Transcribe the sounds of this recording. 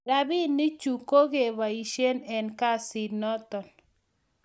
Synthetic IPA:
ɾa˦bi˦nːɪ˦t͡ʃu˨ko˦ɡe˨βa˨i˨ʃe˦nɛ˨nka˦si˨nɔ˦t̪ɔ˨n

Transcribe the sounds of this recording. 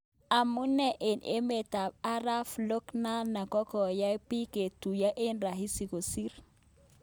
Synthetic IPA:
a˨mu˦nɛ˦˨ʔe˨nḛ˦me˨ta˨b̚a˦ɾa˦flo˦kna˦na˨kɔ˦kɔ˨ja˦pi˦ke˨tu˨ja˦ʔe˦nɾa˨ɦi˦si˨ko˨si˦ɾ

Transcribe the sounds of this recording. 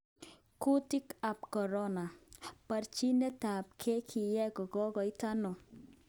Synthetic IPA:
ku˦ti˦ka˨p̚kɔ˨ɾɔ˦na˨pa˨ɾt͡ʃi˦nɛ˦ta˨p̚kʰe˦kʰi˨jɛ˦kɔ˨ɡɔ˦ɡɔ˨iɪ˦ta˦nɔ˨

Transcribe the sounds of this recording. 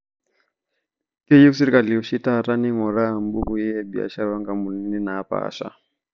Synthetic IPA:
kɛ˦ji˦u˦si˦ɾi˦ka˨li˨ɔ˨ʃi˦ta˦˨ɾa˦ni˦ŋɔ˨ɾaː˦˨mbu˦ku˦jɛ˦ɛ˦bi˨a̰˨ʃa˦ɾawa˦ŋɡa˨mu˨ni˦ni˦naː˨˦pa̰ʃa̰˨

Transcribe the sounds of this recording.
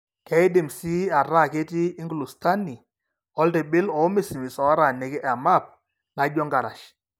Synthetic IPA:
kɛ˨˦ɪ˦dɪ˨msi˦a˨ɾa˦˨ke˦ti˦ɪ˦ŋɡlu˨sta˦ni˨ | ɔ˦lte˨bɪ˦lɔ˨˦mi˦˨si˨mi˨sɔ˨˦ɾa˨ne˨kɪ˦ʔa˨ma˦˨p̚ | na˨˦d͡ʒɔ˦ŋɡa˨ɾa˨ʃ

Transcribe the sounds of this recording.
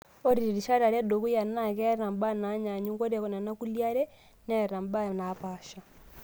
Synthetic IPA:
o˦ɾi˨ɾi˨ʃa˦ɾa˨ɾa˦do˨ku˦ja˨na˦˨kɛ˦ɾa˨mba˦na˨˦ɲa˨ɲu˦ŋɡo˦ɾɛ˨kɔ˨na˨na˦ku˦lja˦ɾɛ˦ | nɛ˨ɾa˨mba˦˨na˨pa˨ʃa˨

